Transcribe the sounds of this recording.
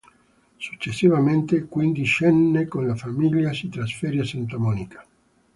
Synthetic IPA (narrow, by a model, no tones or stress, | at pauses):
su̥t͡ʃːesːivament̪ekwind̪iʃɛnːekonlafamiʎːjasit̪ɾasfeɾjasent̪amɔnikḁ